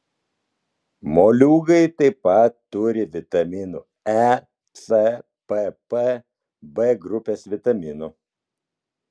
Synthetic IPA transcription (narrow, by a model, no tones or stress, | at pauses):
moːlʲuːɡɐɪt̪ɐɪpɐt̪ːʊɾʲɪʋʲɪt̪ɐmʲɪnuː | ɛ | sɛ | pɛpɛ | bɛɡɾʊpʲeːsʋʲɪt̪ɐmʲɪnu